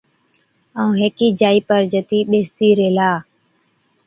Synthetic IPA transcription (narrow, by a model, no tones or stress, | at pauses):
aũːɦeːkiːd͡ʒaːiːpəɾd͡ʒət̪iːɓeːst̪iːɾeːlaː